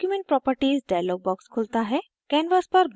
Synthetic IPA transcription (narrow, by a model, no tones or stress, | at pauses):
kjumẽɳʈ̚pɾɔpəɾʈiːzɖajalɔɡ̚bɔkskʰolt̪aɦɛ | kɛ̃nʋəspəɾb